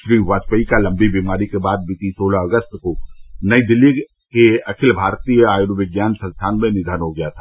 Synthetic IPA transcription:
ʃɾiːʋaːt͡ʃpəikalɐ̃mbʱibiːmaːɾikebaːd̪̚bit̪isoːlaɐɡəst̪konɐid̪ɪlːi | keɐkʰɪlbʱaːɾt̪ijəaːjuɾʋɪɡjaːnsɐ̃nst̪ʰaːnmẽnɪd̪ʱaːnɦoɡɐjat̪ʰḁː

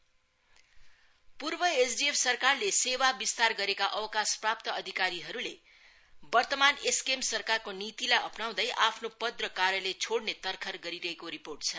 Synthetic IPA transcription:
purbʌesɖiepʰsʌrkarlesewabist̪arɡʌɾekaʔʌwʌkasprap̚t̪ʌʌd̪ʱikaɾiɦʌɾule | bʌrt̪ʌmaneskemsʌrkarkonit̪ilajʌpnaw̃d̪ʌjʔapʰnopʌd̪rʌkaɾjʌlet͡sʰoɽnet̪ʌrkʰʌrɡʌɾiɾʌɦekoɾiporʈ̚t͡sʰʌ

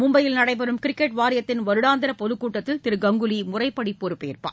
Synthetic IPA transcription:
mʊmbɐjɪlnɐɽɐɪp̬ɛɾɯmkɪɾɪkːɛʈʋaːɾɪjɐt̪ːɪnʋɐɾɯɽaːnd̪ɐɾɐpɔðɯkːuːʈːɐt̪ːɪlt̪ɪɾɯɡɐŋɡɯlimʊrɐɪpːɐɽipːɔɾɯpːeːɪrpa̰ː

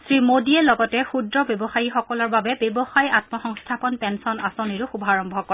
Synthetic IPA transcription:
sɹimodiɛlɔɡɔtɛxudɹɔbjebɔxajixɔkɔlɔɹbabɛbjebɔxajatmɔxɔŋstʰapɔnpɛnsɔnasoniɹʊxubʱaɹɔmbʱɔkɔ

